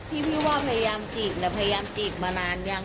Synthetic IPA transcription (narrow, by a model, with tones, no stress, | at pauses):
t̪ʰiː˥˩pʰiː˦˥˩waː˥˩pʰa˧ja˧jaː˧mt͡ɕiː˨˩t̪̚na˧˩pʰa˧ja˧jaː˧mt͡ɕiː˨˩t̪̚maː˧naː˧nja˥˩ŋ